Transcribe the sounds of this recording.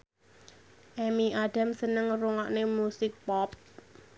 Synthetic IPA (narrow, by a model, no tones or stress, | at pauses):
ʔɛmiʔaɖ̥a̤msənəŋruŋaʔnemusɪk̚pɔp̚